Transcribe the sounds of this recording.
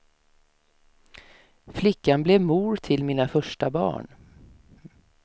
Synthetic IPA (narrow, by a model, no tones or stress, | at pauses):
flɪkːanblɛvmuːɾt̪ʰɪlmiːnafœʂʈabɑ̰ːɳ